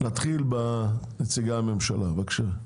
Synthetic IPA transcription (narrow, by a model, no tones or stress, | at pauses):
nat̪χilbanet͡siɡame̞mʃalavakʃa